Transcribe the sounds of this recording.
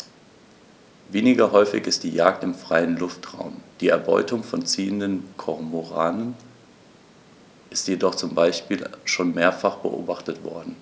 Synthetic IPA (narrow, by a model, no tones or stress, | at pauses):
veːnɪɡɐɦɔʏfɪ̰çɪst̚d̥iːjaːk̚tɪmfʁ̥aɪənlʊftʁ̥a̰ʊmd̥iːɛɐbɔ̰ʏtʊŋfɔnt͡siːəndənkʰɔʁmoʁaːnən | ʔɪstjedɔχt͡sʊmbaɪʃpiːlʃoːnmeːɐfaχb̥ə̰ʔo̰ːbaχtətv̥ɔ̰ɐdn̩